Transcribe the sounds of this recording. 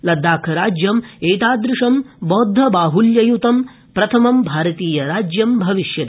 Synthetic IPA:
lɐd̪ːaːkʰɐɾaːd͡ʒjɐmeːt̪aːd̪ɾɪʂɐmbɔːd̪ʱːɐbaːɦuljɐjut̪ɐm | pɾɐt̪ʰɐmɐmbʱaːɾɐt̪iːjɐɾaːd͡ʒjɐmbʱɐʋiʃjɐt̪

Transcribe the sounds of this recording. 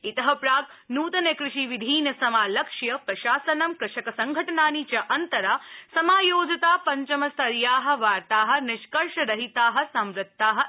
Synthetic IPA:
it̪ɐɦɐpɾaːɡ | nuːt̪ɐnekɾɪʃiʋid̪ʱiːnɐsɐmaːlɐkʂjɐpɾɐʃaːsɐnɐmkɾɪʃɐkɐsɐŋɡʱɐʈɐnaːnit͡ʃɐʔɐnt̪ɐɾaːsɐmaːjoːd͡ʒɐt̪aːpɐɲt͡ʃɐmɐsɐɾjaːɦɐ̆ʋaːɾt̪aːɦɐ̆nɪʃkɐɾʃɐɾɐɦit̪aːɦɐ̆sɐmɾɪt̪ːaːɦɐ̆

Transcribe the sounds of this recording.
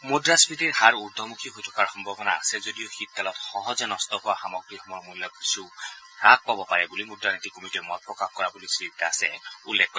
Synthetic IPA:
mudɹaspɹitiɹhaɹuɹd̪ʱɔmukʰiɦojtʰɔ̥kaɹxɔmbʱɔbɔnaːsɛzodijɔxit̪̚ːalɔtxɔɦɔzɛnɔstɔɦʊwaxamɔɡɹixɔmɔɹmulːɔksu | ɹak̚pabɔpaɹɛbulimudɹanitikomitɛmɔt̚pɹɔkaxkɔɹabulisɹitːaːsɛ̰ulːɛkːɔ

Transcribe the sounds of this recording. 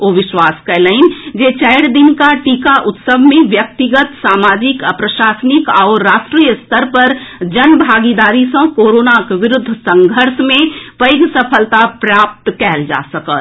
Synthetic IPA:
oːʋɪʃwaːskɛləɪnd͡ʒet͡ʃɛɪɽd̪ɪnkaʈiːkaʔʊt̪səbmẽʋjək̚t̪ɪɡət̪saːmaːd͡ʒɪkəpɾəʃaːsənɪkaʊɾːaːʃʈɾiːjəst̪ʰəɾpɐɾd͡ʒənbʱaːɡid̪aːɾisə̃koːɾoːnakʋɪɾʊd̪ʱːsə̃ŋɡʱəɾsmẽpəɪɡsəpʰəlt̪apɾaːp̚t̪kɛɦld͡ʒa̰ːsəkət̪

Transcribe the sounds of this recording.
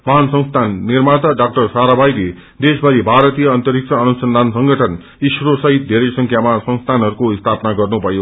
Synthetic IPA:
mʌɦansʌŋst̪ʰanːirmat̪ʌɖak̚ʈʌrsaɾabajle | d̪esbʱʌɾibʱaɾʌt̪ijʌʌnt̪ʌɾik̚t͡sʰʌːnusʌnd̪ʱansʌŋɡʌʈʰʌn | isrosʌɦit̪̚d̪ʱeɾʌjsʌŋkʰjamasʌŋst̪ʰanɦʌɾukoist̪ʰapnaɡʌrnupʌjo

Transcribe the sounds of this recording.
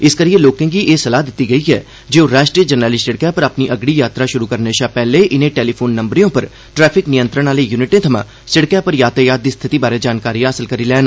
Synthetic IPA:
ɪskəɾieloːkɪ̃ːɡiːʔeːsəlaːd̪ɪt̪ːiːɡəiːɦɛː | d͡ʒeoɾaːʃʈɾiːəd͡ʒənɾəːlisɪɽkɛːpəɾapniːʔəɡɽiːjaːt̪ɾaːʃʊɾuːkəɾneːʃaːpɛːleːʔɪnẽːʈɛːliːpʰoːnːəmbɾijõːpəɾ | ʈɾɛːpʰɪknɪjə̃nt̪ɾənaːleːjuːnɪʈẽːt̪ʰəmã̰ː | sɪɽkɛːpəɾjaːt̪aːjaːd̪iːst̪ʰɪt̪iːbaːɾeːd͡ʒaːnkaːɾijãːɦəsəlkəɾiːlɛːn

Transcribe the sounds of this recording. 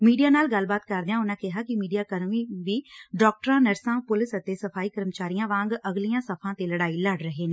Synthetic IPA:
miːɖijaːnaːlɡəlbaːt̪kəɾd̪eãːʊnãːkɪɦaːkɪmiːɖijaːkəɾmiːʋiːɖɔːk̚ʈəɾãːnəɾsãːpʊlɪsət̪eːsəpʰaːiːkəɾmət͡ʃaːɾijãːʋãːŋɡəɡlijãːsəpʰãːt̪eːləɽaːiːləɖɾəɦeːnẽː

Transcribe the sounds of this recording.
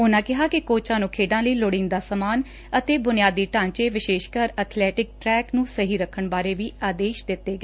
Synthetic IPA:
ʊnãːkɪɦaːkɪkoːt͡ʃãːnũːkʰeːɖãːləiːloɽĩːnd̪aːsəmaːn | ət̪eːbʊnɪjaːd̪iːʈãːnt͡ʃeːʋɪʃeːʃkəɾət̪ʰlɛːʈɪk̚ʈɾɛːknũːsəɦiːɾəkʰːəɳbaːɾeːʋiːaːd̪eːʃd̪ɪt̪ːeːɡɛː

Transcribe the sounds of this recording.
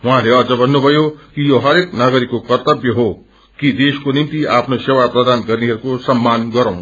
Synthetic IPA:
ɦuɦãleʌd͡zʌbʱʌnːubʱʌjokijoɦʌɾeknaɡʌɾikːokʌrt̪ʌbjʌɦo | kid̪eskonimt̪iʔaːpʰnosewapɾʌd̪anɡʌɾniɦʌɾukosʌmːanɡʌɾãw̃

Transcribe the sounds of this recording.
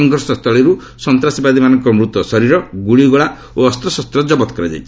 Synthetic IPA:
ɔŋɡʱɔɾsɔst̪ʰɔɭeɾu | sɔnt̪ɾasibad̪imanɔŋkɔmɾut̪wɔsɔɾiɾɔɡuɭiɡɔɭa | oɔst̪ɾɔsɔst̪ɾɔd͡ʒɔbɔt̪ɔ̥kɔɾad͡ʒa̰jt͡ʃʰi̥

